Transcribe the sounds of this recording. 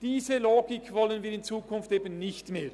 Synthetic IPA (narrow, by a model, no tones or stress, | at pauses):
d̥iːzəloːɡɪkvɔlənviːɾɪnt͡suːkʰʊnfteːbənːɪçtmeːɾ